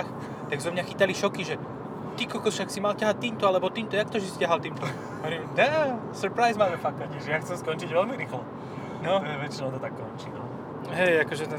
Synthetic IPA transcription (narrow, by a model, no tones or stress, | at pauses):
x | t̪aɡzɛmɲaxit̪aliʃɔkiʒɛ | t̪ikɔlkɔʃaksimalcaɦat̪iːmt̪ɔalɛbɔt̪iːmt̪ɔjak̚t̪ɔʒisi̥caɦalt̪iːmt̪ɔ | ɔʋɾiːmd̪ɛsuɾpɾajzmaːmɛfak̚t̪aɲiʒɛjaxt͡sɛmskɔnt͡ʃiɟʋɛlmiɾiːxlɔ | nɔʋɛt͡ʃinɛɔt̪ɔt̪akːɔnt͡ʃinɔ | ɦɛjakɔʒɛn